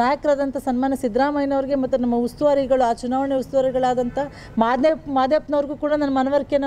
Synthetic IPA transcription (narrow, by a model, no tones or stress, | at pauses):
aːjɐkɾaːd̪ɐnt̪ʰɐsɐnmaːnːɐsid̪ɾaːmɐjnɐʋɐɾiɡe̞mɐt̪ːunɐmːɐust̪uʋaːɾiɡɐɭuaːt͡ʃunaːʋɐɳjɐust̪uʋaːɾiɡɐɭaːd̪ɐnt̪ʰɐ | maːd̪ɐpmaːd̪jɐpnɐʋɐɾɡuːkuːɽɐnɐnːɐmɐnɐʋɐɾkjɐnɐ